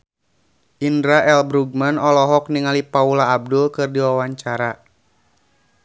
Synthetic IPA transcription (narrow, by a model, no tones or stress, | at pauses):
ʔindɾaʔɛlbɾuɡ̚manɔlɔɦɔk̚niŋalipaulaːb̚dulkɨrdiwawaɲt͡ʃaɾa